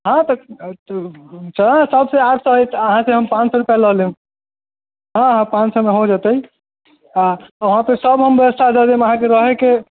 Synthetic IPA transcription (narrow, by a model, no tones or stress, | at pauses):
ɦãt̪ə | t͡ʃʰəlãsəbseaʈʰsəɦjt̪əɦãseɦəmpãt͡ʃsɔɾupjaləɦliũ | ɦãɦãpãt͡ʃsəmeɦod͡ʒat̪əi | aəɦãpəsəbɦəmbjəəst̪ʰad͡ʒad̪eməɦãk̬eɾəɦeke